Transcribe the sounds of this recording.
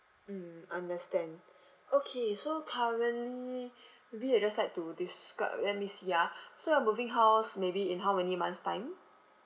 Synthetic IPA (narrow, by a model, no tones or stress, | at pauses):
m̩ãndəstɛ̃nd | okʰesokʰaɹə̃nlimebiad͡ʒaslajk̚tudiska̰lɛt̚misiasoãmuvɪ̃ŋɦaʊsmebiĩnɦawmɛnimãnstãɪ̃m